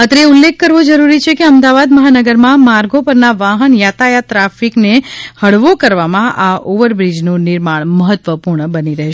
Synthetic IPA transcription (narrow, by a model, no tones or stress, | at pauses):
ət̪ɾeulːekːəɾʋod͡ʒəɾuɾit͡ʃʰekeəmd̪aʋad̪məɦanəɡəɾmãmaɾɡopəɾnaʋaɦənjat̪ajat̪ɾafiknehəɽʋokəɾʋamãʔaʔoʋəɾbɾid͡ʒnũnɪɾmaɳ̃məɦət̪ʋəpuɾɳəbəniɾəɦʃ